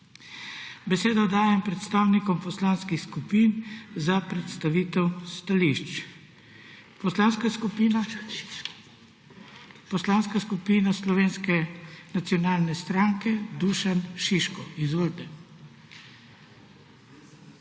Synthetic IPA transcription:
bɛseːd̪ad̪aːjɛmpɾɛt̪st̪aːwnikɔmpɔslaːnskixskupiːnzapɾɛt̪st̪aʋiːt̪ɛwst̪aliʃt͡ʃ | pɔslanskasku | pɔslanskaskupiːnaslɔʋeːnskɛnat̪sijɔnaːlnɛst̪ɾaːŋkɛd̪uʃanʃiʃkɔizʋɔlt̪ɛ

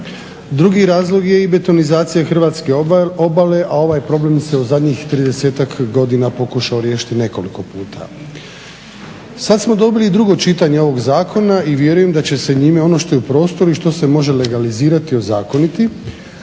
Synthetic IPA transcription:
d̪ɾuɡiɾaːzlˠo̞ɡje̞ibe̞t̪o̞nizaːt̪sijaxr̩ʋaːt̪skeo̞bale̞ʔao̞ʋajpɾo̞ble̞mse̞uzad̪ɲixt̪ɾid̪e̞se̞ːt̪akɡo̞d̪inapo̞kuʃaoɾje̞ːʃi̥t̪ine̞ko̞liko̞puːt̪ʰa̰ | sad̪smo̞d̪o̞bilid̪ɾuɡo̞t͡ʃit̪aɲeo̞ʋo̞ɡzaːkʰo̞naiʋje̞ɾuje̞md̪at͡ɕe̞seɲimeo̞no̞ʃt̪o̞jeupɾo̞ːst̪o̞ɾuiʃt̪o̞se̞mo̞ʒe̞le̞ɡaliziːɾat̪io̞zaːko̞nit̪i

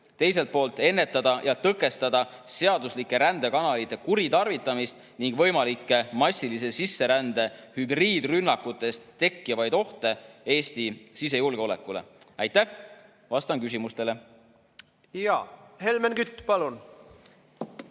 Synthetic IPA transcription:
t̪e̞jse̞lt̪̚po̞ːlt̪ˑe̞nːe̞t̪ːˑɑd̪̥ɑjɑt̪ɤkːˑe̞st̪ɑd̪̥ɑse̞ɑd̪uslikːˑe̞ɾænd̪̥e̞kɑnɑlit̪ːˑe̞kuɾit̪ɑrvit̪ːˑɑmist̪ | niŋɡ̥vɤ̞jmɑlikːˑe̞mɑsʲːilise̞sisːe̞ɾænd̪e̞hybriːd̪̥rynːɑkːˑut̪ːˑe̞st̪ːe̞kːivɑjd̪̥o̞ht̪e̞e̞ːst̪isis̬e̞julɡ̥e̞o̞le̞kːˑulḛæjt̪ːˑæh | vɑst̪ɑnkys̬imust̪e̞le̞ | jɑːhelmenɡyt̪ːpɑlun

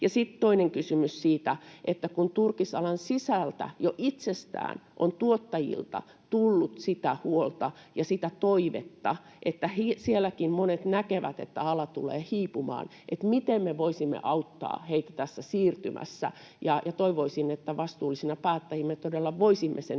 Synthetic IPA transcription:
jɑsit̪toineŋkysymyssiːt̪æʔet̪ːækunt̪urkisɑlɑnsisælt̪æ̰joʔit̪sest̪æ̰ːnʔont̪uot̪ːɑjḭlt̪ɑ̰ | t̪ulːut̪sit̪æhuolt̪ɑjɑsit̪æt̪oiʋḛt̪ːɑ | ʔet̪ːæhisielːˑækimmonet̪nækeʋæ̰t̪ḛt̪ːæɑlɑt̪ulḛːhiːpumɑ̰ːn | ʔet̪mit̪emmeʋoisimːḛʔɑut̪ːɑ̰ːheit̪æt̪æsːæsiːrt̪ymʔæ̰sːæ̰ | jɑjɑt̪oiʋoisinet̪ːæʋɑst̪uːlːisinɑpæːt̪ːæjimmet̪odelːɑʋoisimːʔesen

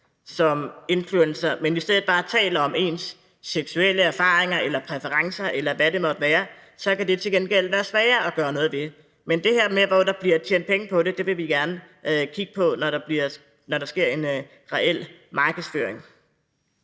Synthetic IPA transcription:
sɒ̽me̝nfluensɐmenisd̥eð̰̩ˠb̥ɑ̈ːt͡sʰɛ̰ːlɐɒ̽me̝̰ːnsː | eɡ̥sueləæɐfɑ̈ːʁeŋɐelɐpʰʁɛfəʁɑ̈ŋsɐʔelɐʋæɾ̥e̝mɒ̽d̥əʋæːɐ | sɒ̽kæd̥e̝t͡sʰe̝lɡ̥enɡ̥el̰ʋæːɐsʋɛːɐɒ̽ɡ̥ɶːɐnɔ̽ːð̞̩ˠʋe̝ | mend̥e̝ɦeɐ̰meʋɒd̥ɑ̈b̥liɐt͡sʰjḛːn̰d̥̚pʰeŋəpʰɒ̽ɾe̝d̥e̝ʋe̝ʋiɡ̥æɐnə | kʰiɡ̥əpʰɒ̽nɒɾ̥ɑ̈b̥liɐ̰ | nɒɾ̥ɑ̈sɡ̥e̝ɐ̰e̝n | ʁɛel̰mɑ̈ːɡ̥əð̩ˠsfø̰ɐ̰eŋ

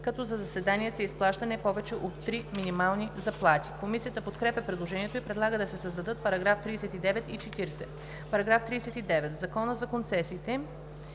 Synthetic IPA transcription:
kɐt̪ɔzɐzɐsɛd̪aniɛsɛisplˠaʃt̪ɐnɛpɔvɛt͡ʃɛʔot̪ːɾiminʲimalˠnizɐplˠat̪ʲi̥komisijət̪əpot̪kɾɛpʲɛpɾɛd̪lˠoʒɛniɛt̪oipɾɛd̪lˠaɡəd̪ɐsɛsəzd̪ɐd̪ɤt̪̚pɐɾɐɡɾaft̪ɾiːsɛt̪id̪ɛvɛt̪it͡ʃɛt̪iɾsɛ̰ | pɐɾɐɡɾaft̪ɾiːsɛt̪id̪ɛvɛt̪zɐkɔnəzɐkont̪sɛsiːt̪ɛ

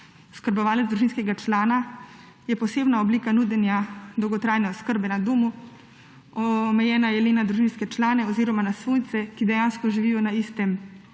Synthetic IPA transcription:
ɔskəɾbɔʋaːlɛt̪zd̪ɾuʒinskɛɡat͡ʃlaːna | jɛpɔseːbnaɔbliːkanuːd̪ɛnjad̪ɔwɡɔt̪ɾaːjnɛɔskəɾbɛnad̪oːmu | ɔmɛjɛːnajɛleːnad̪ɾuʒinskɛt͡ʃlaːnɛɔziːɾɔmanasʋojnsɛkid̪ɛjaːnskɔʒiʋiːjɔnaist̪ɛm

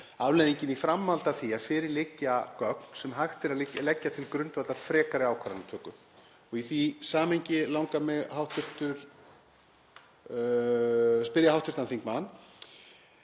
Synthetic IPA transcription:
avlejðiɲcɪnifɾamːalt̪aθiafɪɾɪɾlɪcːakœkn̥sɛmɦaxt̪ɪɾalɪclɛcːat̪ʰɪlkɾʏnt̪vat̪afɾɛːkaɾɪaːwkʰaɾanːat̪ʰœːkʏ | ɔɣiθisaːmejɲcɪlawŋkamɛɣhawht̪vɪr̥t̪ʏɾ̥ | spɪɾjahawt̪vɪɾt̪anθiŋkmanː

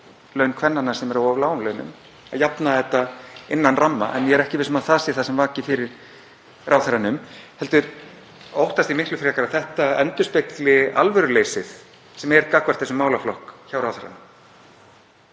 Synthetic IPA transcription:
lœɥnkʰvɛnːanːasɛmɛɾawavlaːwʏmlœːɥnʏ̰m | ajapnaðɛht̪ːaɪnːanramːa̰ʔɛ̰njɛɛɾɛhcɪvɪsmaðθasjɛθasɛmvaːcɪfɪɾɪɾ̥ | raːwθɾanʏmhɛl̪t̪ʏɾ | owht̪ast̪imɪhklʏfɪɾɛhkaɾawθɛht̪aɛnt̪ʏspekt̪lɪa̰lvœɾʏleːjsɪð | sɛmɛɾkakvɛr̥θɛsʏmːaːwlaflɔhkçaːwɾaːwθɛɾa̰nʏm

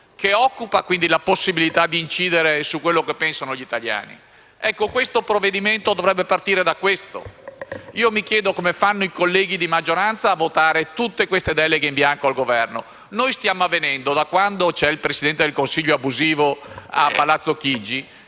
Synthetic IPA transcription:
keɔkːupakwind̪ilaposːibilit̪ad̪iːnt͡ʃiːd̪eɾesukːwelːokepːɛnsanoʎit̪alja̰ːnḭ | ɛkːokwest̪opɾovːed̪iment̪od̪ovɾɛbːepart̪iːɾed̪akwest̪o̰ | iːomikjɛːd̪okomefanːoikolːɛːɡid̪imad͡ʒːoɾant̪saːvot̪aːɾet̪ut̪ːekwest̪ed̪ɛleɡeimbjaŋkoalɡovɛrno̰ | nojst̪jaːmoavːenɛnd̪od̪akwand̪ot͡ʃɛilpɾesid̪ɛnt̪ed̪elkonsiʎːoabuziːvoa̰pːalat̪sːokid͡ʒi

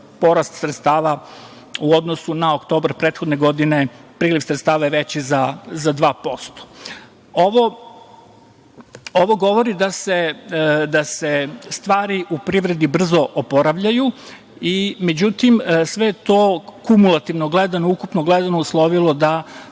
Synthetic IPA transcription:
po̞ɾast̪sɾet̪st̪aːʋa | uo̞d̪no̞sunaokt̪o̞ːbɾpɾeːt̪xod̪neɡo̞d̪ine̞pɾiːliʋsɾet̪st̪aːʋajeʋe̞t͡ɕizazad̪ʋaːpo̞st̪o̥ | oʋo | oʋo̞ɡo̞ʋo̞ɾid̪ased̪asest̪ʋaːɾiʔupɾiʋɾe̞d̪ibr̩zo̞ʔopo̞ɾaʋʎaju | ime̞d͡ʑut̪imsʋe̞jet̪oːkumulˠat̪iʋnoɡled̪anoukupnoɡle̞d̪anouslˠo̞ʋilo̞d̪a

